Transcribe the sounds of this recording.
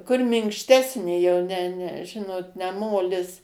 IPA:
kʊr mʲɪŋkʃʲˈtʲæːsʲnʲeː jɛʊ nʲɛ nʲɛ ˈʒʲɪnoːt nʲɛ ˈmoːlʲɪs

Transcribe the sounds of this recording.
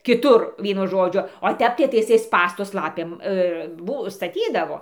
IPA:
kʲɪˈtʊr ˈʋʲiɛnʊ ˈʒoːd͡ʒʲʊ oː ˈtʲɛp tɐɪ ˈtɐɪ ɪˈsɐɪ ˈspɑːstʊs ˈlˠɑːpʲeːm ˈbʊ stɐˈtʲiːdɐʋoː

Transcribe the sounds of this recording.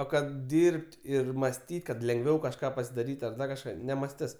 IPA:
oː ˈkɐt ˈdʲiːrʲpʲtʲ ɪr mɐsʲˈtʲiːtʲ kɐt lʲɛŋɡˈʋʲɛʊ kɐʃˈkɑː pɐsʲɪdɐˈrʲiːtʲ tʲɪ ɐr ˈdɐr kɐʃˈkɑː nʲɛmɐsʲˈtʲɪs

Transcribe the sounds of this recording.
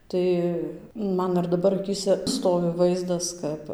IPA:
ˈtɐɪ ˈmɐn ɪr dɐˈbɐr ɐˈkʲiːsʲɛ ˈstoːʋʲɪ ˈʋɐɪzdɐs ˈkɐp

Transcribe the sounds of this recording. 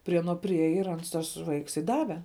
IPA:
pʲrʲiɛ ɐˈnoː pʲrʲɪˈeːjɛ ɪr ˈɐns tɐs ˈʋɐɪks ɪ ˈdɑːʋʲɛ

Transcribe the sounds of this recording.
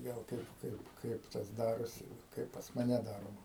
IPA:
ˈɡɐlˠ ˈkɐɪp ˈkɐɪp ˈkɐɪp tɐs ˈdɑːroːsʲɪ ˈkɐɪp pɐs mɐˈnʲɛ ˈdɑːroːmɐ

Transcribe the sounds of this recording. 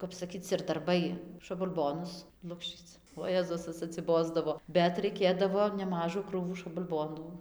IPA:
kɐp sɐˈkʲiːt͡s ɪr dɐrˈbɐɪ ʃɐbɐlˠˈboːnʊs ˈlˠʊkʃʲt͡ʃʲiːt͡s oː ˈjeːzʊs tɐs ɐtʲsʲɪˈboːzdɐʋoː bʲɛt rɐɪˈkʲeːdɐʋoː nʲɛˈmɑːʒuː ˈkruːʋuː ʃɐbɐlˠˈboːnuː

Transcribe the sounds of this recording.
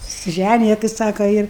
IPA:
sʊsʲɪˈʒʲænʲɪjɛ tɐɪ ˈsɑːkɐ ɪr

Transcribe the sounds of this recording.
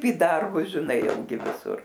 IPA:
iː ˈdɐrbʊs ʒʲɪˈnɐɪ jɛʊ ˈɡʲɪ ʋʲɪˈsʊr

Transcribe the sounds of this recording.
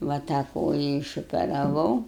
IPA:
ʋɐ tɑː ˈkoːjɛ ɪʃoːpʲɛrɐˈʋɐʊ

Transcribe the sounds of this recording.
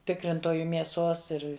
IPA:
ˈtʲɪkrʲɪntoːjʊ mʲiɛˈsoːs ˈɪr

